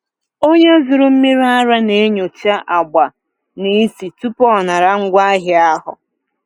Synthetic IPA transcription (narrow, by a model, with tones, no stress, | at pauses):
o˦ɲe˦zi˨ɾʊ˦m̩˦mi˦ɾi˦a˦ɾa˦ne˨˦e˦ɲo˨t͡ʃa˦ʔa˨ɡ͡ba˨ | ni˦si˨tu˦pɔ˦˨na˨ɾa˦ŋ̩˦ɡʷa˦ɦɪ˨a˦ɦʊ̰˨